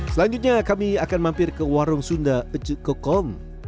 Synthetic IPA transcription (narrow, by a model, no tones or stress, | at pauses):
səlaɲd͡ʒut̪̚ɲakamiakanmãmpɪrkəwaɾʊŋsundaət͡ʃəkɔkɔm